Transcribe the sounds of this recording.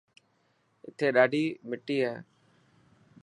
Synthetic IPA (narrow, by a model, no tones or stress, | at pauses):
ɪ̰t̪ʰːeːɗaːɖiːmɪʈːiːɦɛː